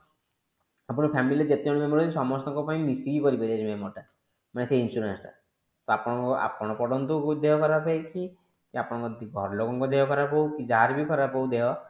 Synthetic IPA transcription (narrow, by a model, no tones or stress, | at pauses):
apɔɽɔpʰamilied͡ʒet̪eɔɽɔmemɔɾat̪isɔmɔst̪ɔŋkɔpaĩmisiɡikɔɾipaɾiat͡ʃʰimemɔʈa | maneseinsuɾensʈa̰ | t̪ɔapɔɽ̃ɔ̃ŋkɔʔa̰pɔɽ̃ɔpɔɖɔnt̪ɔkd̪eɦɔkɔɾapajt͡ʃʰi | kiapɔɽ̃ɔ̃ŋkɔɡʱɔɾɔlokɔŋkɔd̪eɦɔkɔɾapɔwkid͡ʒaɦaɾbikɔɾapɔwd̪eɦɔ